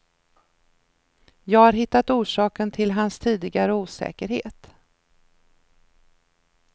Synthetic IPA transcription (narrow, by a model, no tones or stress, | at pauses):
jɑːɡhaɾɦɪt̪ːat̪uːʂɑːkənt̪ʰɪlɦanst̪ʰiːd̪ɪɡaɾəuːsɛ̰ːkəɾhḛːt̪